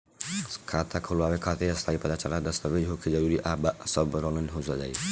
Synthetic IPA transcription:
kʰat̪ʰakʰolaːʋekʰat̪eɾɐst̪ʰaːipɐd̪at͡ʃalad̪əst̪əbed͡ʒɦokʰed͡ʒəɾuɾiʔaːbsɔbɾɔlənɦosad͡ʒa̰j

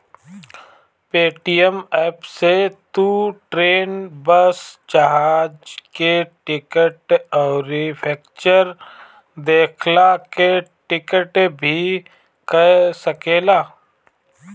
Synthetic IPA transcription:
peːʈijəmɛːpset̪uʈɾeːnbəsd͡ʒaɦaːd͡ʒkeʈɪkəʈɔːɾipʰɛːk̚t͡ʃəɾ | d̪eːkʰlakeʈɪkəʈbʱi | kəsəkeːlaː

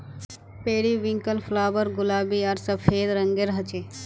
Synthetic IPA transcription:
peːɽiʋĩŋkəlpʰlaːbəɾɡʊlaːbiaɾsəpʰeːd̪ɾəŋɡeɾɦət͡ʃe

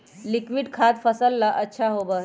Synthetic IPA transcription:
likʋiɖkʰaːd̪fəsəlːaʔətːʃʰaɦoːbə

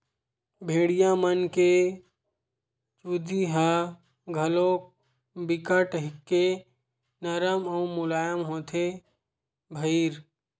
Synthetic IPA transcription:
bʱeːɽijãmənke | t͡ʃud̪iɦa | ɡʱəlok̚ | bɪkaʈəɦɪkːe | nəɾəməumʊlaːjəmɦoːt̪ʰe | bʱəiɾ

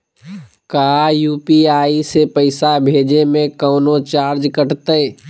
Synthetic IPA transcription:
kaːjuːpiaːisepəɪsabʱeːd͡ʒemẽkəːnot͡ʃaːɾd͡ʒkəʈt̪əː

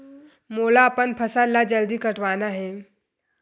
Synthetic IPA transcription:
moːlaəpənpʰəsalːad͡ʒəld̪ikəʈʋaːnaɦɛː

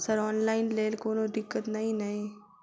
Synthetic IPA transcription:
səɾɔːnlaːɪnleːlkoːnoɖɪkːət̪naĩnaĩ

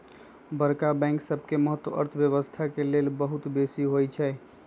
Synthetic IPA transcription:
bəɾkabɛ̃ŋksəbʱkeməɦət̪ːwəʔə̰ɾt̪ʰbjəβəst̪ʰakelelbəɦut̪besiɦojt͡ʃʰɛ

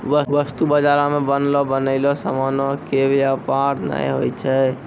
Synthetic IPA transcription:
ʋəʋəst̪ubəd͡ʒaɾamebənlɔbənəɪlɔsəmɔnɔkebapaɾna̰jɦo̰jt͡ʃʰɛ

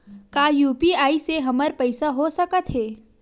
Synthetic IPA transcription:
kaːjuːpiaːiseɦɐməɾpɐɪsaɦosɐkət̪ɦɛː

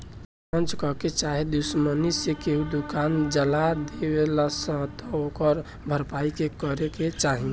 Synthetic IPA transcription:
pə̃nt͡ʃkɔket͡ʃaɦed̪usmənisekeɦud̪ukand͡ʒəlad̪ebelasə̃t̪ɔokəɾ | bʱəɾpaikekəɾeket͡ʃaɦĩŋɡe

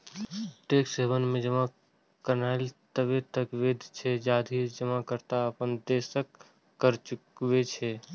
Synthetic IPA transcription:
ʈeːkseːbənmẽd͡ʒəma | kəɾnaːlt̪əbet̪əkʋeːd̪ʱt͡ʃʰed͡ʒaːd̪ʱid͡ʒəmakəɾt̪aəpənd̪eːsəkː | əɾt͡ʃʊkʋet͡ʃʰe

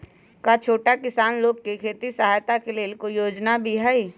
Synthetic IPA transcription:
kat͡ʃʰoːʈakɪsaːnloːɡkekʰeːt̪isəɦaːjt̪akeleːlkoijoːd͡ʒnabʱiɦɛi

